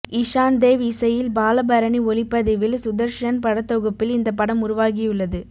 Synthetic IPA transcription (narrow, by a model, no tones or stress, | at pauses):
ɪʂaːnd̪eːʋɪsɐjɪlbaːlɐbɐɾɐɳiɔlɪpːɐðɪʋɪlsʊðɐɾʂɐnpɐɽɐt̪ːɔɣɯpːɪlɪnd̪ɐpːɐɽɐmʊɾʊʋaːɣɪjɯɭːɐðɯ